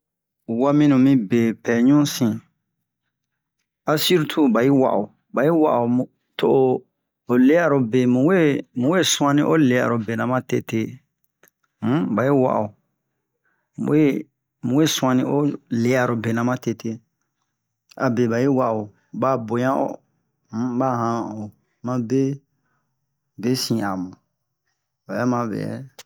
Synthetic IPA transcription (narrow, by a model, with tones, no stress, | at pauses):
wa˦mĩ˦nũ˨mĩ˦be˨pɛ˨ɲũ˦sĩ˨ | a˨si˦ɾu˦tʰu˦ba˨ji˦wa̰˨ʔo˨ | ba˨ji˦wa̰˦˨ʔo˨mũ˨ | to˦ʔo˦ | o˨le˦a˨ɾo˨be˨mũ˨we˦mũ˨we˦sũ˦ã˦nĩ˦ʔo˦le˨ja̰˨ɾo˨be˨nã˨mã˦te˧te˦ | m̩˦ba˨ji˦wa̰˨ʔo˨ | mṵ̃˨˦e˦ | mũ˨we˦sũ˦ã˧nĩ˦o˦le˨ja˨ɾo˨be˨nã˨mã˦te˧te˦ | a̰˨be˨ba˨je˦wa˦ʔo˨ | ba˨bo˨jã˦ʔo̰˨ | h̩˦ba˦ɦã˨o˨ | mã˦be˦ | be˦sĩ˨a˨mã˨ | ba˨ja˦mã˨bɛ̰˨jɛ̰˨